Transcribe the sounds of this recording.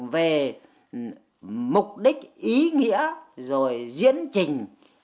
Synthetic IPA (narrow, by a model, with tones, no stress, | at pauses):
ve˨˩ | mʊ˨˩k͡p̚ɗï˦˥k̚ʔi˨˦ŋḭ˧˥əzo˨˩jzḭ˧˥ənt͡ɕï˨˩ŋ̟